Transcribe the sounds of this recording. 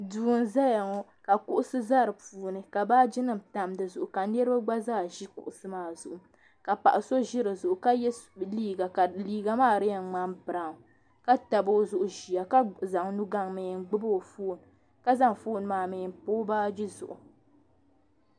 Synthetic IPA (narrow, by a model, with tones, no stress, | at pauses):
duː˨n˨za˦ja˨ŋɔ˦ | ka˨kʊ˦ʔʊ˦sɨ˦za˦˨ɾɨ˨puː˨nɨ˨ka˨baː˦d͡ʒɪ˦nɨ˦˨mta˨mdɨ˨zʊ˨ʔʊ˨ka˨nɛ˦ɾɨ˦ba˦ɡ͡ba˦zaː˦˨ʒi˦kʊ̰˦ʔʊ˨sɨ˦maː˨˦˨zʊ˨ʔʊ˨ | ka˨pa̰˨ʔa˨so˦ʒɪ˦ɾɨ˨zʊ˨ʔʊ˨ka˦jɛ˦liː˦ɡa˨ka˨liː˦ɡa˨maː˦˨ɾɨ˦jɛ˨ŋ͡ma˦mbɨ˨ɾa˨ŋ˨ | ka˦ta˨bo˦zʊ˨ʔʊ˨ʒi˨a˨ka˦za˨ŋnu˦ɡa˦ŋmɨ˨nɡ͡bɨ˦bo˦˨foː˦˨n˨ | ka˦za˦ŋfoː˦˨n˨maː˨mɨ˨npo˦baː˦d͡ʒi˦zʊ̰˨ʔʊ˨